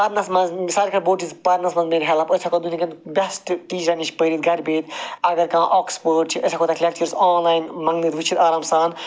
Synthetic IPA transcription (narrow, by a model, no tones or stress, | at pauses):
pɐɾnɐsmɐnzsaːɾʲikʰɐɾboːʈispɐɾnɐsmɐnzmeːɾɦɛlɐpɐsʰɐkod̪unʲikɐnbʲɐsʈʈiːd͡ʒɾɐnit͡ʃʰpəːɾit̪ɡʱɐɾʲbeːt̪ɐɡɐɾkãːʔoːkspoːʈt͡ʃʰiʔɐsʰakoːt̪ɐklʲɐk̚t͡ʃɐɾsaːnlaːjnmɐŋɡniːt̪ʋit͡ʃʰit̪aːɾaːmsaːn